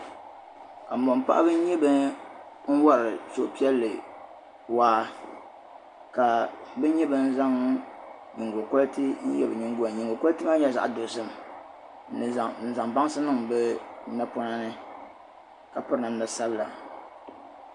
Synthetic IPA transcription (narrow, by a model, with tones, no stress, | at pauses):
ka˨m̩˨bo˨mpa̰˦ʔa̰˦bɨ˦n˦ɲɛ˦bɨ˦ | n̩˦wa˦ɾɨ˨so˨ʔpi˦ɛ˦lːɨ˨ | waː˦ | ka˨bɨ˦ɲɛ˦bɨ˦n̩˦za˦ŋ | ɲi˨ŋɡo˨ko˦ltɨ˦ɲ̩˦jɛ̰˦˨bɨ˨ɲi˦ŋ˦ɡo˦˨ɲi˨ŋ˨ɡo˨ko˦ltɨ˦ma˦ɲɛ˦za̰˨ʔdo˨sɨ˦m˨ | n̩˨za˨ŋba˦ŋ˦sɨ˦nɨ˦ŋbɛ˦na˦pʊ˦na˦nɨ˦ | ka˨pɨ˦ɾɨ˦nɨ˨m˦nɨ˨sa˦bɨ˦la̰˨